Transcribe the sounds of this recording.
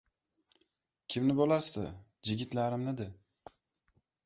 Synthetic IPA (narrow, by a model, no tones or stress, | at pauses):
kʲʰimnɪbolˠasd̪ɪd͡ʒɪɡʲɪt̪lʲæɾɪmnɪd̪ɪ